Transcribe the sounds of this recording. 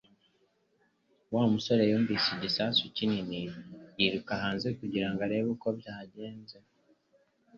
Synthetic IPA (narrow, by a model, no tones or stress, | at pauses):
waːumuso̞ɾe̞joːmbisiɟisasucininijiɾukaɦaːnze̞kuɟiɾaŋɡaɾe̞βuko̞bjaːɟe̞ːnze